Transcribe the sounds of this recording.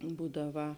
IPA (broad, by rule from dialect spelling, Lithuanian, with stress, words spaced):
ˈbuːdɐˌʋɐ